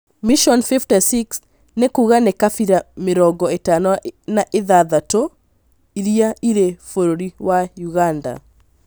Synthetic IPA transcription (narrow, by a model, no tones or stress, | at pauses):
miʃɔnfiftɛsiks | nekuɣanekafiɾameɾɔŋɡɔetanɔnaʔeðaðato | iɾiaiɾefoɾoɾiwajuɣanda̰